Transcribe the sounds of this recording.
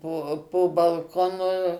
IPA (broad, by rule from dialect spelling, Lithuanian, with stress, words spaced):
ˈpoː poː bɐlˠˈkoːnʊ